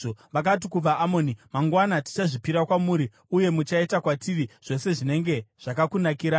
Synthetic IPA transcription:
ʋakat̬ikub͡vaʔːmo̞ːnimaŋɡwanati̥t͡ʃaʐipiɾakwamuɾi | uje̞mut͡ʃaitakwatiʋiʐ̥o̞se̞ʐine̞ŋɡe̞ʐ̥akakunakiɾa

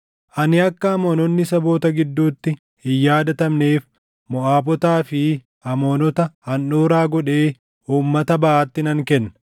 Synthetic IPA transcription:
ʔɐnɪɐkːɐɐmoːnɔnːɪsɐbo̞ːt̪ɐɡɪd̪ːuːt̪ːɪ | hɪjːaːd̪ɐt̪ɐmne̞ːf | mɔʔaːbɔt̪aːfɪ | ɐmoːnɔt̪ɐhɐnːoːɾaːɡɔᶑe̞ː | uːmːɐt̪ɐbɐʔaːt̪ːɪnɐŋkɛnːɐ

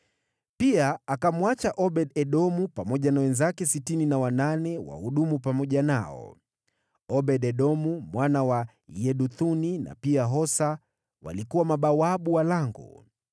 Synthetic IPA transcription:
piaakamwat͡ʃaʔɔɓɛɗɛɗɔmupamɔʄanawɛnzakɛsitininawananɛwa̰huɗumupamɔʄanaɔ̰ | ɔɓɛɗɛɗɔmumwanawa | jɛɗuθunina̰piaɦɔsa | wa̰likuwamaɓawaɓuwalaŋɡɔ̰

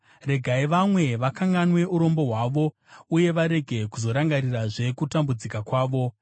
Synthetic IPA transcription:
re̞ɡʱaiʋamwe̞ʋakaŋɡanwe̞uɾo̞mbo̞ɦwaːʋo̞ | uje̞ʋaɾe̞ɡʱe̞kuzo̞ɾaŋɡaɾiraʐe̞kutambud͡zikakwaːʋo̞

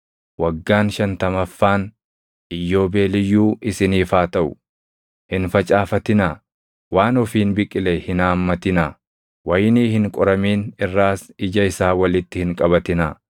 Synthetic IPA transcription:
wɐɡːaːnʃɐnt̪ɐmɐfːaːn | ʔɪjːo̞ːbe̞ːlɪjːuːɪsɪniːfaːt̪ɐʔʊ̰ | hɪnfɐt͡ʃʼaːfɐt̪ɪnaː | waːnɔfiːnbɪkʼːɪlɛhɪnaːmːɐt̪ɪnaː | wɐjniːhɪŋkʼɔɾɐmiːnɪrːaːsɪd͡ʒɐɪsaːwɐlɪt̪ːɪhɪŋkʼɐbɐt̪ɪnaː

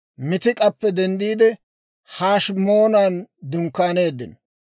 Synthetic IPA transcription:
mɪt̪ɪkʼɐpːɛd̪ɛnd̪iːd̪ɛ | haːʃmo̞ːnaːnd̪ʊŋkːaːne̞ːd̪ːɪn

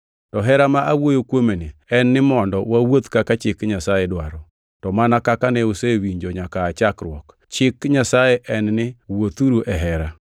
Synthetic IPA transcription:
tɔɦɛɾamaʔawojokwomeniɛnːɪmɔndɔwawot̪kakat͡ʃɪkɲasajɛdwaɾɔ | tɔmanakakanɛosewiɲd͡ʒoɲakaːt͡ʃakɾwɔk | t͡ʃɪkɲasajeʔɛnnɪwot̪uɾuʔɛɦɛɾa

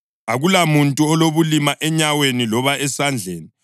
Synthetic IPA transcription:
aɣulamuntʼuɔloβulimaʔɛɲawenilɔβaɛsand͡ɮʱeːni

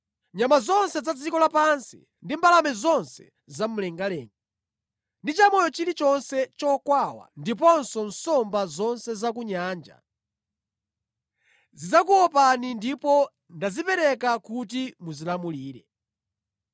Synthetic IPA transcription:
ɲamazɔnsɛzad͡zikɔlapansi̥̰ | ndimbalamɛzɔnsɛ̥ | zam̩lɛŋɡalɛ̰ːŋɡa | ndit͡ʃamɔjɔt͡ʃilit͡ʃɔnsɛt͡ʃɔkwawa̰ndipɔnsɔnsɔmbazɔnsɛzak̬uɲaːnd͡ʒa̰ | zid͡zak̬uɔpanindipɔ | ndazipɛɾɛkakut̬imuzilamuliːɾɛ

